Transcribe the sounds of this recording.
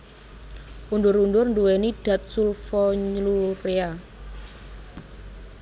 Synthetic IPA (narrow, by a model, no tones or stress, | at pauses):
ʔundʊɾundʊrɳduweniɖ̥ä̤t̪̚sulfɔɲlurea